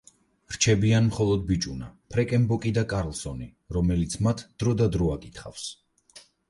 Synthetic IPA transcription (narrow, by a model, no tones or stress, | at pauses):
ɾt͡ʃʰɛbianmχɔlˠɔd̪̚bit͡ʃʼuna̰pʰɾɛkʼɛmbɔkʼid̪akʼaɾlˠsɔni | ɾɔmɛlit̪sʰmat̪ʰd̪̥ɾɔd̪ad̪ɾɔakʼit̪ʰχa̰fs